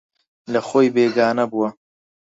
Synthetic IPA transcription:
lɐxoːjbeːɡaːnɐbuwɐ

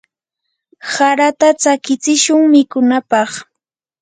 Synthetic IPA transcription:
saɾat̪at͡sakɪt͡sɪʃʊŋmɪkʊnapɑχ

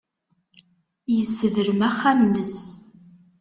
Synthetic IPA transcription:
jəsːəðəɾəmæχːænːəs

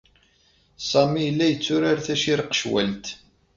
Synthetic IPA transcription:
sˤɑmijəlːæjət͡sːʊɾaɾθæʃiɾəqːʃwæ̰lt̪

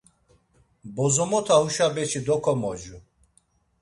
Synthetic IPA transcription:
bɔzɔmɔt̪ʰauʃabɛt͡ʃʰid̪ɔkʰɔmɔd͡ʒu

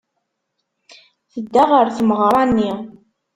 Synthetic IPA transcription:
θəd̪ːaʁəɾθəmʁəɾˤɑnːi

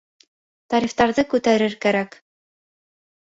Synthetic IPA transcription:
t̪ɑɾift̪ɑɾðɤkʉt̪æɾɘɾkæɾæk

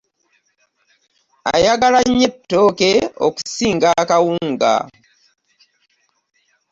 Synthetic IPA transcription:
a̰jaɡalaɲːetːo̞ːkeo̰ku̥siːŋɡakawuːŋɡa̰

